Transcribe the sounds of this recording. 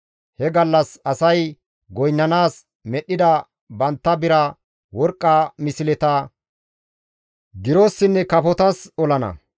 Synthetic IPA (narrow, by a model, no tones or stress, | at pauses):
hɛɡɐlːɐsɐsɐj | ɡɔjnːɐnaːs | mɛɗːɪd̪ɐ | bɐnt̪ːɐbɪɾɐ | wɔɾkʼːɐmɪsɪlɛt̪ɐ | ɡɪɾo̞ːsːɪnːɛkɐpɔt̪ɐsɔlɐnɐ̰